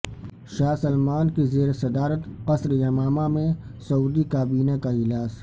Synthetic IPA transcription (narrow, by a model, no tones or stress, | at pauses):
ʃaːsɐlmaːnkizeːɾesɐd̪aːɾət̪qɐsɾjɐmaːmamẽsɐuːd̪ikaːbiːnakaɪlaːz